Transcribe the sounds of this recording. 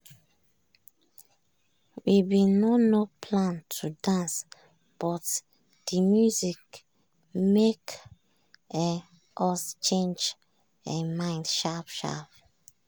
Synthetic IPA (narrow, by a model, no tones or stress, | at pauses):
wibinɔnopʰlãntʰudãns | b̥ɔt | d̥imjuzik | mek | ɛ | ʔɔst͡ʃẽnd͡ʒ | ɛ̃nmãɪ̃ndʃapʃa̰p̚